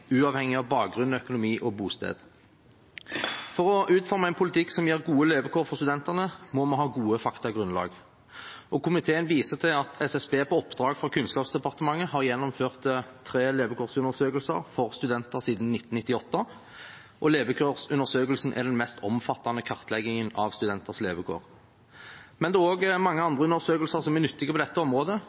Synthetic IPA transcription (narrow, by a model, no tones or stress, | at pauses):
ʉːɑːʋhɛŋɪɑʋbɑːk̚ɡʁʉnɔœkʊnʊmiːʔɔbuːst̪ḛːd̪ | fɔʁɔʔʉːt̪fɔʁmɑæɪnpʰʊlɪt̪ʰɪksɔmjiːʁɡuːəleːbəkʰoːɾfɔʁst̪ʉd̪ɛnt̪əʁnəmɔmɑɦɑːɡuːəfɑkt̪ɑɡʁʉnlɑ̰ːɡ | ʔɔkʰʊmɪt̪ʰeːənʋiːsəʁt̪ʰɪlɑt̪ʰɛsɛsbeːpʰɔɔpd̪ʁɑːɡfʁɑkʰʉnskɑːpsd̪ɛpɑʁt̪əmɑŋːəhɑʁjɛnːɔmføːʁt̪ət̪ʰːɾeːleːbəkʰoːʁsʉnəʁsøːkəlsə̰ɾfɔʁst̪ʉd̪ɛnt̪əʁsiːd̪n̩nɪt̪ːnnɪt̪ːɪɔt̪ːə | ʔɔleːʋəkʰøʁsʉnəʁsøːkəlsn̩ʔæ̰ʁd̪ɛnmɛst̪ʰɔmfɑt̪ːɑnəkʰɑʁt̪ʰlɛɡɪŋənɑʋst̪ʉd̪ɛnt̪əʁsleːʋəkʰo̰ːʁ | mɛnd̪oːoːɡmɑŋːəɑnd̪ʁəʉnəʁsøːkəlsəʁsɔmɛæʁnʏt̪ːɪɡəpɔd̪ɛt̪ːəɔmʁoːd̪ə